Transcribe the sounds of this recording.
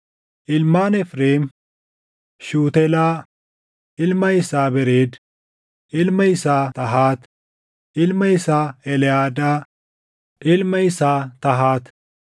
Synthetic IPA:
ʔɪlmaːnɛfɾeːm | ʃuːt̪ɛlaː | ʔɪlmɐjɪsaːbɛɾeːd̪ | ʔɪlmɐjɪsaːt̪ɐɦaːt̪ | ʔɪlmɐjɪsaːɛlɪaːd̪aː | ʔɪlmɐjɪsaːt̪ɐɦaːt̪

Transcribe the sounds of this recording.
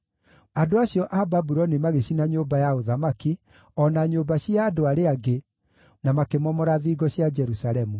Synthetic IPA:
adoaɕjɔʔababuɾɔnimaɣeɕinaɲoːbajaoðamaki | ɔnaɲoːbaɕiaːdoaɾeaɡe | namakemɔmɔɾaðiɡɔɕjad͡ʒɛɾusaɾɛmu

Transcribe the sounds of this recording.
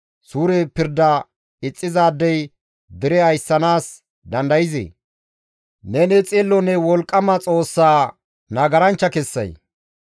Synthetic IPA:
suːɾepɪɾd̪ɐ | ɪt͡sʼːɪzaːd̪ːɛj | d̪ɪɾɛɐjsːɐnaːs | d̪ɐnd̪ɐjɪzḛ | nɛnɛt͡sʼelːɔnɛwɔlkʼːɐmɐt͡sʼo̞ːsːaː | nɐɡɐɾɐnt͡ʃːɐkɛsːɐ̰j

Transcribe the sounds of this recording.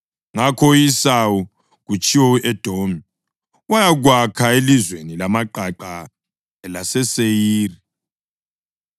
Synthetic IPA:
ŋakʰɔjisawɔ | ɣut͡ʃʼiwɔɛd̥ʱomi | wajaɣwakʰaelizwenilamaǃaǃa | lasɛsejiːri

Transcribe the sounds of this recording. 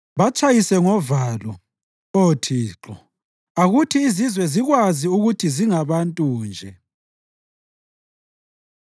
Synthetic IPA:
βat͡ʃʼajisɛŋɔvaːlɔ | otʰiːǁɔ | aɣutʰiːzizwɛziɣwaziuɣutʰiziŋaβantʼuːnd͡ʒʱɛ

